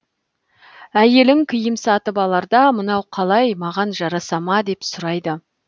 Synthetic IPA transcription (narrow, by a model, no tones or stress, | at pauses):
æje̞lɪŋkʲʰɪjɪmsɑt̪əbɑlˠɑɾd̪ɑmənɑwqʰɑlˠɑjmɑʁɑnʒɑɾɑsɑmɑd̪e̞psʊɾɑjd̪ə